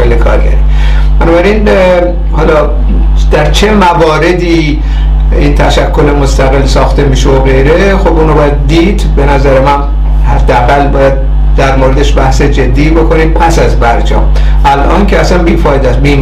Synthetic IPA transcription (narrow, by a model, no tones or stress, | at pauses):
elːekʰɒ̰ːɾɡʲæ̰ɾi | b̥ænɒːbæɾin | hɒːlɒ | d̪̥æɾt͡ʃʰe̞mævɒːɾe̞d̪iː | iːnt̪ʰæʃækʰːo̞lemost̪æɣelːsɒːxt̪e̞miːʃeoɣe̞jɾe̞ | xobʔuːnobɒːjæd̪̚ːiːd̪be̞næzæɾe̞mæn | hæd̪ːeæɣælːbɒːjæd̪̚ | d̪æɾmoːɾe̞d̪eʃbæhsed͡ʒe̞d̪ːiːbo̞kʰo̞niːmpʰæsæzbæɾd͡ʒɒ̰ːm | ʔælʔɒːnkʰeæsænbiːfɒːed̪æsbiːm